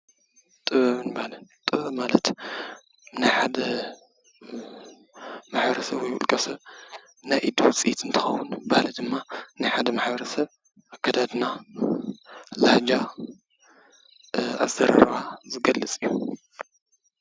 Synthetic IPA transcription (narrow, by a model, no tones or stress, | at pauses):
t̪ʼɨβɐβɨnbalɨt̪ʼɨβɐβmalɐt̪ | najħad̪ɐ | maħbɐɾɐsɐβwjʔṵlkʼɐsɐβ | najʔid̪uwt͡sʼiʔit̪ɨnt̪ʰɨxɐwunbahlid̪ɨmːanajħad̪ɐmaħbɐɾɐsɐβ | ʔakʰːad̪ad̪na | lad͡ʒa | a̰zɐɾa̰ɾβazɨɡɐlːɨt͡sʼijːu